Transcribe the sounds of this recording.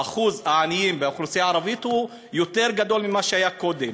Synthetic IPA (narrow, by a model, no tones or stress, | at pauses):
aχuzhaːnijimbeoχlusiaːʁavit̪hu | jo̞t̪e̞ʁɡad̪o̞lmimaʃeajako̞d̪e̞m